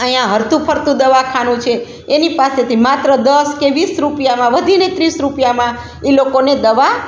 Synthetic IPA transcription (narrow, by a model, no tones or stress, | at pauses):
əjãɦəɾt̪ũpʰəɾt̪ũd̪əʋakʰanũt͡ʃʰeː | nipaset̪ʰimat̪ɾəd̪əskeʋisɾupjamãʋəd̪ʱinet̪ɾisɾupjamã | elokoned̪əʋa